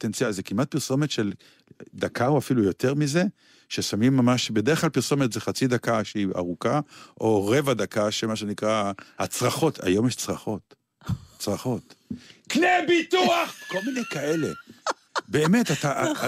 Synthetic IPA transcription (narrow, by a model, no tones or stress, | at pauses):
pot̪ent͡siazekimat̪̚piʁso̞met̪ʃel | d̪akʰauafilujo̞t̪e̞ʁmize̞ | ʃesamimːamaʃbedeχklalpiʁso̞met̪zeχat͡sid̪akaʃeia̰ʁukaʔo̞ʁe̞vad̪akaʃemaʃenikʁahat͡sʁaχo̞t̪ʰa̰jo̞mjeʃt͡sʁaχo̞t̪ | t͡sʁaχo̞t̪knebituaχko̞lminejkae̞le̞̰ | be̞ːmet̪ata